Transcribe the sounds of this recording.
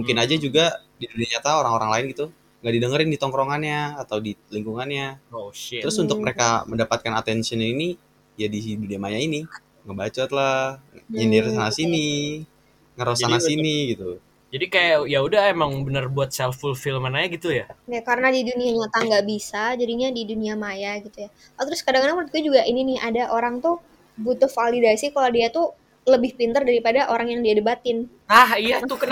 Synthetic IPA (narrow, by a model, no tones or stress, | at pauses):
muŋkɪnad͡ʒad͡ʒuɡa | diduniaɲat̪aoɾaŋoɾaŋlaɪnɡit̪u | ŋɡaʔdidəŋəɾɪndit̪ɔŋkɾoŋanɲaːt̪awdiliŋkuŋanɲa | əɾʊsunt̪ʊk̚məɾekaməndapat̪̚kanat̪ɛnsiənini | jadisiduniamajaini | ŋəbat͡ʃat̪laɲənirsanasini | ŋəɾosanasinniɡit̪u | d͡ʒadikajajaudahemaŋbənərbuat̪̚sɛlfulfiləmanajaɡit̪ujaajakaɾənadiduniaɲat̪aŋɡaʔbisad͡ʒadiɲadiduniamajaɡit̪uja | at̪ɾʊskadaŋkanaŋmt̪̚ɡud͡ʒuɡaʔininɪadaʔoɾaŋt̪ʊ | but̪ʊhfalidasikalodiat̪u | ləbɪhpint̪ərdaɾipadaʔoɾaŋjaŋdiadəbat̪ɪn | nahijat̪ukə